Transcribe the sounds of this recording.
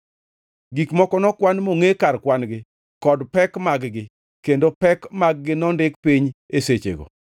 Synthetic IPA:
ɡikmɔkɔnɔkwanmoŋekarkwanɡɪ | kɔdpɛkmaɡɡɪ | kendopɛkmaɡ̚ɡɪnɔndɪkpiɲeset͡ʃḛɡɔ̰

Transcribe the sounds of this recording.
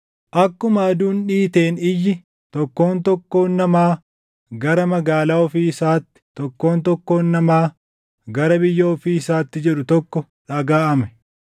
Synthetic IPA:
ʔɐkːʊmaːd̪uːnᶑiːt̪e̞ːnɪjːɪ | t̪ɔkːo̞ːnt̪ɔkːo̞ːnːɐmaː | ɡɐɾɐmɐɡaːlaːɔfiːɪsaːt̪ːɪ̥t̪ɔkːo̞ːnt̪ɔkːo̞ːnːɐmaː | ɡɐɾɐbɪjːɐɔfiːɪsaːt̪ːɪd͡ʒɛᶑʊt̪ɔkːɔ | ᶑɐɡaːʔɐmɛ̥

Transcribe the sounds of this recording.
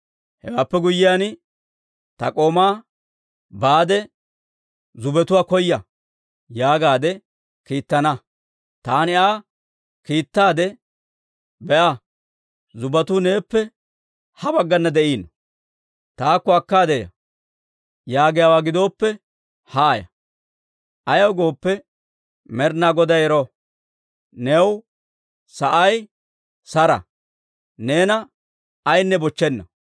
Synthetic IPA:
hɛ̰waːpːɛɡʊjːɪjaːn | t̪ɐ̰kʼo̞ːmaː | baːd̪ɛ | zʊbɛt̪ʊwaːkɔjːɐ | jaːɡaːd̪ɛ | kiːt̪ːɐnɐ | t̪aːnɪaː | kiːt̪ːaːd̪ɛ | bɛʔɐ | zʊbɐt̪uːne̞ːpːɛ | hɐbɐɡːɐnːɐd̪ɛʔiːnɔ | t̪aːkːɔɐkːaːd̪ɛjɐ̰ | jaːɡɪjaːwaːɡɪd̪o̞ːpːɛ | haːjɐ̰ | ʔɐjɐwɡo̞ːpːɛ | mɛɾnaɡɔd̪ɐjɛɾɔ | nɛw | sɐʔɐj | sɐɾɐ̰ | ne̞ːnɐ | ɐjnːɛbɔt͡ʃːɛnːɐ

